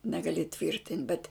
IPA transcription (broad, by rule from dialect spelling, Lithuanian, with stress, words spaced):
nʲɛɡɐˈlʲɪ ˈtʲʋʲiːrʲtʲɪnʲtʲ bʲɛt